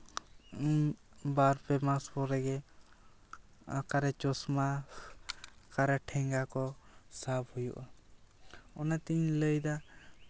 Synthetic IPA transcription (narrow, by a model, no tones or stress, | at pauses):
baɾpɛmaspɔɾɛɡɛ | kaɾɛt͡ʃɔsma | kaɾɛʈʰɛŋɡakɔsabhujṵʔa | ɔnat̪iɲləjd̪a